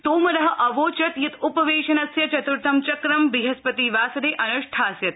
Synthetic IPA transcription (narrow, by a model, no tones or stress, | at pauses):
t̪oːmɐɾɐɦɐ̆ʔɐʋoːt͡ʃɐt̪jɐt̪upɐʋeːʃɐnɐsjɐt͡ʃɐt̪uɾt̪ʰɐmt͡ʃɐkɾɐmbiɦɐspɐt̪iːʋaːsɐd̪eːʔɐnuʂʈʰaːsjɐt̪